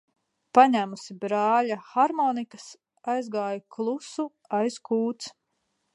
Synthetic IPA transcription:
paɲæmusibɾaːlaxaɾmɔːnikɐs | ajzɡaːjuklˠusu | ajskuːt̪s

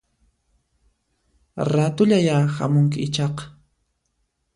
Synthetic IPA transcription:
ɾat̪ʊʎajaxa̰mʊŋkɪɪt͡ʃɑqɑ̥

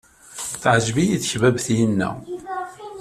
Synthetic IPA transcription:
θʕʒvijiθçvævθjənːæ̰

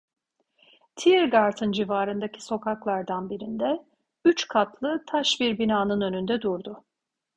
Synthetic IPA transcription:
t̪ʰiɾɡaɾt̪ʰɯnd͡ʒivaːɾɯnd̪acʰi̥so̞kʰaklˠaɾd̪anbiɾind̪ɛ | yt͡ʃkʰat̪lˠɯt̪ʰaʃbiɾbinaːnɯnø̞nynd̪ɛd̪uɾd̪ʊ

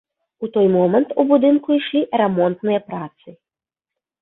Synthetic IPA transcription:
ut̪ɔjmɔmɛnt̪ubud̪ɨnkuiʂlʲiɾɛmɔnt̪nɨjɐpɾat̪sɨ

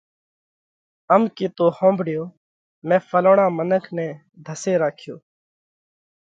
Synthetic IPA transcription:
əmkiːt̪oːhõːmbʱɽɪjoː | mɛ̃ːfəloːɳãːmənəkʰnɛ̃ː | d̪ʱəseːɾaːkʰɪjoː

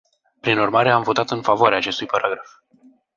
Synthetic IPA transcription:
pɾinurmaɾe̞amvo̞t̪at̪ɨnfavoaɾeaːt͡ʃe̞st̪ujpaɾʔaɡɾaf

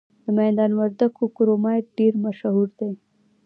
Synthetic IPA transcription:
d̪əmɛːnd̪anʋəɾd̪əkːukuɾomajɖiːɾmɐʃəɦuɾt̪e

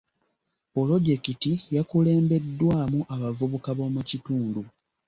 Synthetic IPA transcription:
polo̞ɟe̞kitijakule̞ːmbe̞dːwaːmuʔaβavuβukaβo̞ːmucituːndu

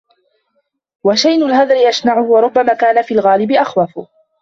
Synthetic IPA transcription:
waʃajnʊlɦaðˤɾɪjaʃnaʕʊhʊwɑɾˤʊbːamaːkaːnafiːlɣaːlɪbɪʔaxwafʊ

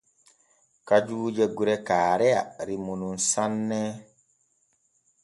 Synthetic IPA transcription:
kad͡ʒuːd͡ʒɛɡuɾɛkaːɾɛa̰ɾimununsanːɛ

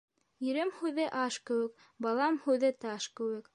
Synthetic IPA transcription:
jɵ̆ɾɘmhʉðɘʔɑʃkɘ̆wɘ̆k | bɑlˠɑmhʉðɘt̪ɑʃkɘ̆wɘ̆k

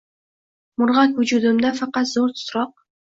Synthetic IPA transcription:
mʊɾʁɑkvʊd͡ʒud̪umd̪afɑqɑt̪zoɾt̪ʰʊ̥t̪ɾɑq̚

